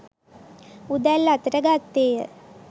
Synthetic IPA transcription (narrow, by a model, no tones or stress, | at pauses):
ud̪ælːat̪ɾəɡat̪ːeːjə̰